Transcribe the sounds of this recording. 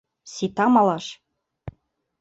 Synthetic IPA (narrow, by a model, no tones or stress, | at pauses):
sit̪ɑmɑlˠɑʃ